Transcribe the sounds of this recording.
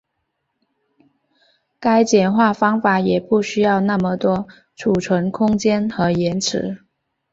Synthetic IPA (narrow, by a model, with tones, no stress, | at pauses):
ka˥ɪt͡ɕjɛ˨˩nxwa˥˩fɑ˥ŋfa˨˩˦jɛ˨˩pu˥˩ɕy˥jɑ˥˧ʊna˥˩mə˨t̪wɔ˥ | ʈ͡ʂʰu˨˩ʈ͡ʂʰwə˧˥ŋkʰʊ˥ŋt͡ɕjɛ˥nxɤ˧˥jɛ˧˥nʈ͡ʂʰɻ̩˧˥